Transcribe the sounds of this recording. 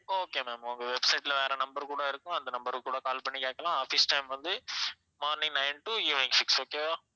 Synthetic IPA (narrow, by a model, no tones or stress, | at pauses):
oːkeːmeːmʊŋɡɐʋɛbsɐɪʈlɐʋeːɾɛnɐmbɐɾkuːɽɐɪɾɯkːʊ̃ɐnd̪ɐnɐmbɐɾkuːɽɐkaːlpɐɳːikeːkːɐlãːaːfiːsʈɐɪmʋɐnd̪ɯ | maːɾnɪ̃ŋnɐɪnʈuiʋɪŋɡfɪksoːkeːʋaː